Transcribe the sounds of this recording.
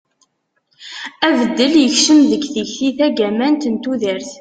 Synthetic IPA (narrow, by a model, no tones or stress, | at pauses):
ævəd̪ːəljəçʃəmðəɡθəçθiθæɡæmænt̪ənt̪uðəɾθ